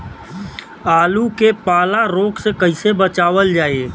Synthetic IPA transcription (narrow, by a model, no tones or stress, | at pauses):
aːlukepaːlaɾoːksekəɦɪsebət͡ʃaːʋəld͡ʒaːe